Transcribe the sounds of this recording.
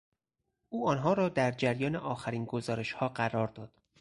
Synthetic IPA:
ʔuːɒːnɦɒːɾɒːd̪æɾd͡ʒæɾjɒːneʔɒːxæɾiːnɡozɒːɾe̞ʃhɒːɢæɾɒːɾd̪ɒːd̪̥

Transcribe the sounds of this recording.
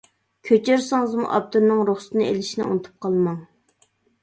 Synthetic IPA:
kʲʰøt͡ʃʰeɾsɪŋɨzmṵʔɑ̰p̚t̪ʰuɾnɨŋɾoχsɨ̥t̪ʰɨnɨḛlɪʃinɪ̰ṵnɨt̪ʰu̥p̚qʰɑlˠmɑŋ

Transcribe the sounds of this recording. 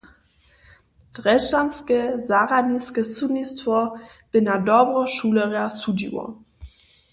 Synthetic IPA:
d̥ʁɛʃanskəzaʁadniskəsudnistvɔb̥ɪnadɔbʁɔʃuːlɛʁasudḭwɔ̰

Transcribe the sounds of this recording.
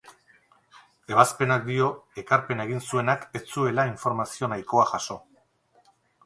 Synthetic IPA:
e̞βaspe̞nak̚d̪io̞e̞kaɾpe̞nae̞ɣ̞insue̞nake̞t͡sue̞laiɱfo̞ɾmasio̞najko̞aʝaso̞

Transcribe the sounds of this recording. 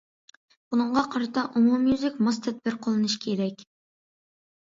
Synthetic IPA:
b̥unɨɴʁɑqʰɑɾɑt̪ʰɑʔumumjyzɪkʲmɑst̪ʰɛd̪̚bɪɾqʰolˠɨnɨʃkʲʰeɾɛkʲ

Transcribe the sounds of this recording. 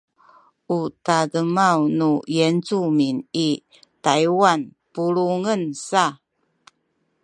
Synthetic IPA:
utadəmawnujent͡sumini | tajwan | puɾuŋənsa

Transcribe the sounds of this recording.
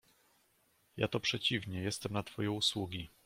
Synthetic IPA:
ja̰t̪ɔpʂɛt͡ɕivɲɛjɛst̪ɛmnat̪fɔjɛwuswuɡʲi

